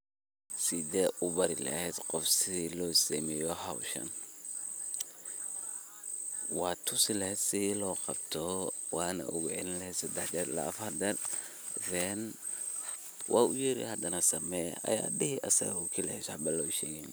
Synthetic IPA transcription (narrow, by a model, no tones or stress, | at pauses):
sɪðɛːʔʊbɐɾɪlɛ̰hɛd̪qɔfsɪlɔːsiːmɛjɔhawʃɐ̰n | wɑːt̪ʰʊsɪlɛhɛd̪sɪðilɔːqɑbt̪ʰɔ | wɑːnɐ̰ʔʊɣʊʕɪ̰nlhɛsɐd̪ɛħd͡ʒɐɾlɐ̰ːfɐɾd̪ɐd | dɛn | wʔɑːʊjɪɾḭhɐd̪ɐnɐsɐmɛj̰ʔɐ̰ja̰ːdɪhɪʔɐsɐ̰ɣʊkʰilɛɛsħbɐlɔʃɛːɣɛn